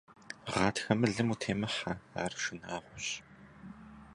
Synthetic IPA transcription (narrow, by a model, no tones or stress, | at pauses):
ʁɑːtxɐmɨɮɨmutʰeːmɐħaa̰ːrʃɪnaːʁʷʊɕ